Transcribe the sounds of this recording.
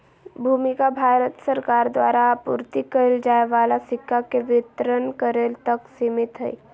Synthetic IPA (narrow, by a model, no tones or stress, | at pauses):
bʱuːmɪkabʱaːɾət̪səɾkaːɾd̪wa̰ːɾapṵɾt̪ikəɾeld͡ʒaːeʋaːlasɪkʰːakeʋɪt̪ɾənkəɾeːlt̪əksɪmɪt̪ɦɛi